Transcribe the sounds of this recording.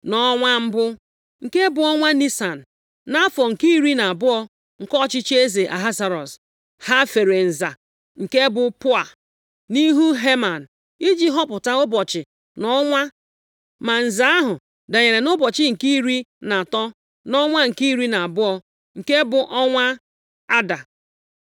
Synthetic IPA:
nɔ˦ŋʷa˦m̩˦bʊ˦ | ŋ̩˨ke˦bʊ˨ɔ˦ŋʷa˦ni˦sa˨n̩˨ | na˦fɔ˨ŋ̩˨ki˦i˦ɾi˦na˨a˨bʊ˦ɔ˦ | ŋ̩˨kɔ˦t͡ʃɪ˦t͡ʃe˦ze˨ʔa̰˨ɦa˦sa˨ɾɔ˨s | ha˦fe˨ɾe˨n̩˨za˨ | ŋ̩˨ke˦bʊ˨pʊ˦a˨ | ni˦ɦu˦ɦe˦ma˨n̩˨ | i˦d͡ʒi˦ɦɔ˦pʊ˨ta˦ʊ˦bɔ˨t͡ʃɪ˨ | nɔ˦ŋʷa˦ | ma˨n̩˨za˦a˦ɦʊ˨ | da˨ɲe˨ɾe˨nʊ˦bɔ˨t͡ʃɪ˦ŋ̩˨ki˦i˦ɾi˦na˨tɔ˦ | nɔ˦ŋʷa˦ŋ̩˨ki˦i˦ɾi˦na˨a˨bʊ˦ɔ˦ | ŋ̩˨ke˦bʊ˨ʔɔ˦ŋʷa˦ | a˦da˨

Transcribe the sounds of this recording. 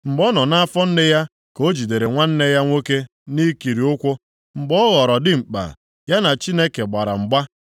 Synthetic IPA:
m̩˨ɡ͡bɔ˦nɔ˨na˦a˦fɔ˦n̩˦nɪ˦ja˦ | ko˦d͡ʒi˨de˨ɾe˨ŋʷa˦n̩˦ne˦ja˦ŋʷo˦ke˦ | ni˦ki˨ɾi˨ʊ˦kʷʊ˦ | ŋ͡m̩˨ɡ͡bɔ˦ɣɔ˨ɾɔ˨dɪ˦ŋ͡m̩˨k͡pa̰˨ | ja˦na˨t͡ʃi˦ne˦ke˨ɡ͡ba˨ɾa̰˨ŋ͡m̩˨ɡ͡ba˦

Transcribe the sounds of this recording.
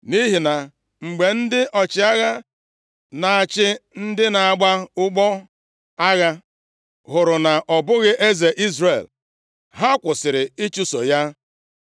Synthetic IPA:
ni˦ɦi˨na˨ | ŋ͡m̩˨ɡ͡be˨n̩˦dɪ˦ʔɔ˨t͡ʃɪ˨˦a˦ɣa˦ | na˨a˨t͡ʃɪ˦n̩˦dɪ˦na˨a˨ɡ͡ba˦ʊ˦ɡ͡bɔ˦ | a˦ɣa˦ | ɦʊ˨ɾʊ˨na˨ʔɔ˨bʊ˦ɣɪ˦ʔe˦ze˨ʔi˦zɾe˨l | ɦa˦kʷʊ˨sɪ˨ɾɪ˨i˦t͡ʃu˦so̰˨ja˦

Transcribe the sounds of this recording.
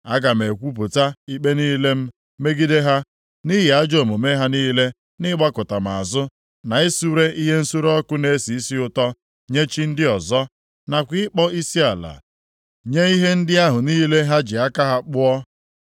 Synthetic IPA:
a˦ɡa˨m̩˨e˨kʷu˦p̬ʊ˨ta˦i˦k͡pe˦niː˦le˦m̩˦ | me˦ɡi˦de˦ɦa˦ | ni˦ɦɪ˨a˦d͡ʒo˨mo˨me˦ɦa˦niː˦le˦ | nɪ˦ɡ͡ba˦kʊ˨ta˨m̩˨a̰˨zʊ˦ | na˨e˦su˦ɾe˦i˦ɦe˦n̩˦su˦ɾɔ˦kʊ˦ne˦si˨i˦si˦ʊ˦tɔ˦ | ɲe˦t͡ʃi˦n̩˦dɪ˦ɔ˨zɔ˦ | na˨kʷɪ˦ɪ˦k͡pɔ˦i˦si˦a˨la̰˨ | ɲe˦i˦ɦe˦n̩˦dɪ˦a˦ɦʊ˨niː˦le˦ɦa˦d͡ʒɪ˨a˦ka˦ɦa˦k͡pʊ˦ɔ˦

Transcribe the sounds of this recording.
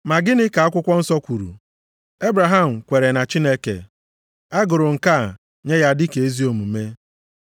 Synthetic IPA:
ma˨ɡɪ˦nɪ˦ka˨a˦kʷʊ˦kʷɔ˦n̩˦sɔ˦kʷu˨ɾṵ˨ | e˦bɾa˨ɦa˦m̩˨kʷe˨ɾe˨na˨t͡ʃi˦ne˦kḛ˨ | a˦ɡʊ˨ɾʊ˨ŋ̩˨ka˦˨ | ɲe˦ja˦dɪ˦ke˨e˦zi˦o˨mu˨me˦

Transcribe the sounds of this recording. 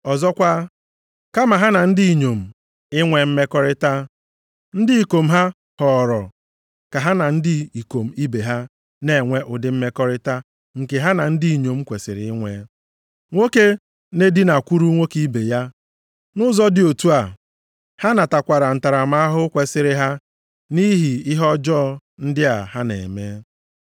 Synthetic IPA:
ɔ˨zɔ˦kʷa˦ | ka˦ma˨ɦa˦na˨n̩˦di˦˨ɲo˨m̩˨ | ɪ˦ŋʷe˦m̩˦me˦kɔ˦ɾɪ˦ta˦ | n̩˦dɪ˦i˨ko˨m̩˦ɦa˦ | hɔ˨ɾɔ̰˨ | ka˨ɦa˦na˨n̩˦dɪ˦i˨ko˨m̩˨i˦be˨ɦa˦ | ne˨ŋʷe˦ʔʊ˨dɪ˨m̩˦me˦kɔ˦ɾɪ˦ta˦ | ŋ̩˨ke˨ɦa˦na˨n̩˦di˦i˨ɲo˨m̩˦kʷe˨sɪ̰˨ɾɪ̰˨ɪ˦ŋʷe˦ | ŋʷo˦ke˦ | ne˦di˦na˨kʷu˦ɾu˦ŋʷe˦ki˦be˨ja˦ | nʊ˦zɔ˦dɪ˨o˨tu˦a˨ | ha˦na˨ta˨kʷa˨ɾa˨n̩˨ta˨ɾa˨ma˦a˦ɦʊ˦kʷe˨sɪ˨ɾɪ˨ɦa˦ | ni˦ɦi˨ɪ˦ɦɔ˦d͡ʒɔː˦˨n̩˦dɪ˦a˨ɦa˦nḛ˨me˦

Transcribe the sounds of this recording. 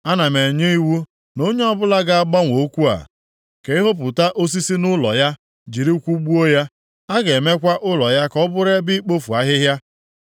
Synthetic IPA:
a˦na˨me˨ɲe˦i˦wu˦ | no˦ɲe˦ɔ˦bʊ˦la˦ɡa˦a˦ɡ͡ba˦ŋʷo˦kʷu˦a̰˨ | ke˨ɪ˦ɦo˦p̬ʊ˨ta˦ʔo˦s̬i˦si˦nʊ˦lɔ̰˨ja˦ | d͡ʒi˨ɾi˦kʷu˦ɡ͡bu˦o˦ja˦ | a˦ɡe˨me˦kʷa˦ʔʊ˦lɔ˨ja˦kɔ˦bʊ˦ɾe˦bi˦k͡po˦fu˨a˦ɦɪ˦ɦja˦

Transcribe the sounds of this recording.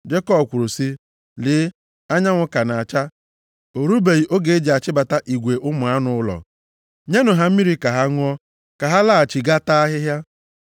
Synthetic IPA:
d͡ʒe˦kɔ˦bkʷʊ˨ɾu˨si˦ | lɪː˨˦ | a˦ɲa˦ŋʷʊ˦ka˨na˨a˨t͡ʃa˦ | o˨ɾu˦be˨ɣi˨ʔo˦ɡe˨e˦d͡ʒe˨a˨t͡ʃɪ˦ba˨ta˦ʔi˨ɡʷe˨ʔʊ˦mʊ˨a˦nʊ˦ʊ˦lɔ̰˨ | ɲe˦nʊ˨ɦa˦m̩˦mi˦ɾi˦ka˨ɦa˦ŋʊ˦ɔ˦ | ka˨ɦa˦la˦˨a˨t͡ʃɪ˨ɡa˦ta˦ɦɪ˦ɦja˦

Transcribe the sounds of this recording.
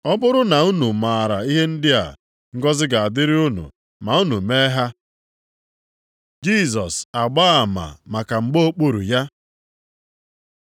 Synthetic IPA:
ɔ˦bʊ˦ɾʊ˦na˨u˦nu˨ma˨a˨ɾa˨i˦ɦe˦n̩˦dɪ˦a̰˨ | ŋ̩˦ɡɔ˦zɪ˦ɡa˨a˨dɪ˦ɾɪ˦ʊ˦nṵ˨ | ma˨u˦nu˨meː˦ɦa˦ | d͡ʒi˦˨s̬ɔ˨sa˨ɡ͡ba˦a˨ma̰˨ma˨ka˨ŋ͡m̩˨ɡ͡bo˦o˦k͡pu˦ɾṵ˨ja˦

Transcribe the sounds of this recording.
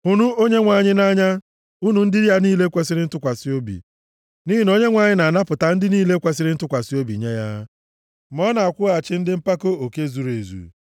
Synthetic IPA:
u˨nu˦o˦ɲe˦ŋʷa˨ɲɪ˦na˦ɲa˦ | u˦nu˨n̩˦dɪ˦ɾi˦a˦niː˦le˦kʷe˦sɪ˦ɾɪ˦n̩˦tʊ˦kʷa˨si˦o˦bḭ˨ | ni˦ɦi˦no˦ɲe˦ŋʷa˨ɲɪ˦na˨na˦pʊ˨ta˨n̩˦dɪ˦niː˦le˦kʷe˨s̬ɪ˦ɾɪ˦n̩˦tʊ˦kʷa˨si˦o˦bḭ˨ɲe˦ja˦ | mɔ˦na˨a˨kʷʊ˦a˨t͡ʃɪ˦n̩˦dɪ˦m̩˦pa˦ko˦o˨ke˦zu˨ɾe˨zṵ˨

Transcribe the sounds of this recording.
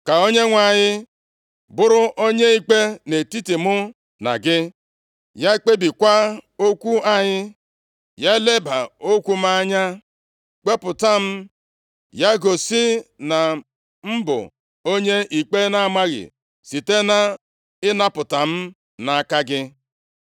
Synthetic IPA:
ka˨o˦ɲe˦ŋʷa˨ɲɪ˦ | bʊ˦ɾʊ˦ʔo˦ɲe˦i˦k͡pe˦ne˨ti˦ti˨mʊ˦ | na̰˨ɡɪ˦ | ja˦k͡pe˦bi˨kʷa˦o˦kʷu˦a˦ɲɪ˦ | ja˦le˦ba˨o˦kʷu˦m˦a˦ɲa˦ | k͡pe˦pʊ˨ta˦m̩˦ | ja˦ɡo˨sɪ˦na˨ | m̩˦bʊ̰˨ | o˦ɲe˦ʔi˨k͡pe˦na˨˦ma˦ɣɪ̰˨ | si˨te˦na˦ | ɪ˦na˦pʊ˨ta˨m̩˦ | na˨a˨ka˦ɡɪ˦

